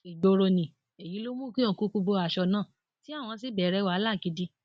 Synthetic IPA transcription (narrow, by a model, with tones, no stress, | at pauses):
i˨d͡ʒo˧ɾo˧nĩ˨ | e˨ji˨˦lo˦mũ˦ki˦õ˨ku˨˧˦ku˧bo˧a˧˨ʃɔ˧nãː˦˨ | ti˦a˦˨w̃ɔ̃˧s̬i˦˨bɛ˨ɾɛ˧˦wa˨˦la˦˨ki˨˧di˧